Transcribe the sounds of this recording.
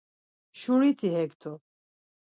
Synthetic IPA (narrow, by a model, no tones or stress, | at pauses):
ʃuɾit̪ʰiɦɛkt̪ʰɔ